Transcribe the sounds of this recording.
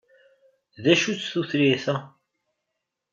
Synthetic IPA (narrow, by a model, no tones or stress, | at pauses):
ðæʃut͡sːθuθɾiθæ